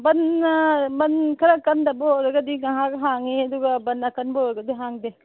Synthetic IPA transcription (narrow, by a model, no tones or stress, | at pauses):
bɐn | bɐnkʰɐɾakːɐnd̪ɐbɔɾɐɡɐd̪iŋaɦakɦaŋiɐd̪uɡabɐnakɐnbɔɾɐɡɐd̪iɦaŋd̪e